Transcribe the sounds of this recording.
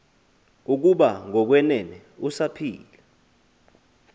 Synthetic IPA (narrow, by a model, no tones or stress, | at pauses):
uk̬uɓaŋɔk̬wɛnɛnɛ | usapʰḭːla